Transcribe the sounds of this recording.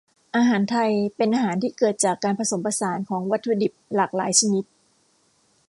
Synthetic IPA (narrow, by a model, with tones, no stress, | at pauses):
ʔaː˧ɦaː˩˦nt̪ʰa˧jpe˧nʔaː˧ɦaː˩˦nt̪ʰiː˥˩kɤː˨˩t̪̚t͡ɕaː˨˩kːaː˧npʰa˧so˩˦mpa˧saː˩˦nkʰɔː˩˦ŋwa˦˥t̪ʰːu˧di˨˩p̚laː˨˩k̚laː˩˦jt͡ɕʰa˧ni˦˥t̪̚